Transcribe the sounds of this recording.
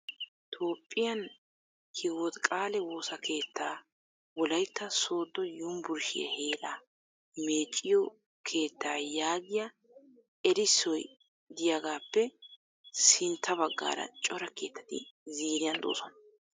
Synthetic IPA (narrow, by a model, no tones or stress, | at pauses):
t̪ʰo̞ːpʼːɪjɐn | hʰɪwɔt̪kʼaːlɛwo̞ːsɐkʰe̞ːt̪ʰːaː | wɔlɐjt̪ːɐso̞ːd̪ːɔjʊmbʊɾʃɪ̰jɛ̰heːlaː | me̞ːt͡ʃʼːɪjɔ | kʰe̞ːt̪ːaːjaːɡɪjɐ | ɛɾɪsːɔj | d̪ɪjaɡaːpːɛ | sɪnt̪ʰːɐbɐɡːa̰ːɾɐ̰t͡ʃʼɔɾɐke̞ːt̪ːɐ̥t̪ɪ̰ziːɾɪjɐnd̪o̰ːsɔnɐ̥